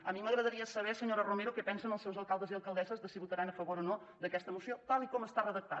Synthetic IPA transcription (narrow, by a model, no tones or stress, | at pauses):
əmiməɣɾəðəɾiəsəβ̞ɛsəɲoɾərumeɾokɛpɛnsənəlˠsɛwzəlˠkalˠd̪əziəlˠkəlˠd̪ɛzəzðəsiβut̪əɾanəfəβoɾono | d̪əkɛst̪əmusiot̪alˠikɔməst̪arəðək̚t̪a